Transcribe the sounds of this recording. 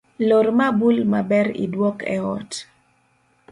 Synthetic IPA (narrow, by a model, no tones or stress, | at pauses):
loɾmabulmabɛɾḭdwɔkɛ̰ɔ̰t